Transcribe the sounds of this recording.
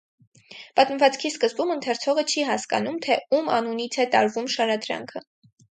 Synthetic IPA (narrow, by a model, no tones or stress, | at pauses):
pɑt̪məvɑt͡skʰiskəzbumənt̪ʰɛɾt͡sʰɔʁət͡ʃʰiɦɑskɑ̰numt̪ʰɛumɑ̰nunit͡sʰɛt̪ɑɾvumʃɑɾɑd̪ɾɑ̰ŋkʰə